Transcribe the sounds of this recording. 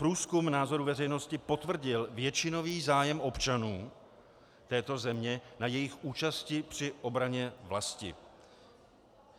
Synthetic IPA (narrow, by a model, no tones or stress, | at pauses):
pɾuːskumnaːzo̞ɾuvɛrɛjno̞scɪpo̞t̪vr̩ɟɪlvjɛt͡ʃɪno̞viːzaːjɛmʔo̞pt͡ʃanuː | t̪ɛːt̪o̞zɛmɲɛnajɛjɪxʔuːt͡ʃascɪpr̝̥ɪʔo̞bɾaɲɛvlascɪ̰